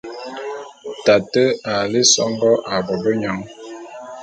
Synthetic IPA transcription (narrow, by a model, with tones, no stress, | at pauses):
ta˨tə˦a˨le˦sɔ˦ŋbɔ˦ʔa˨bɔ˨bə˦ɲa˨˦ŋ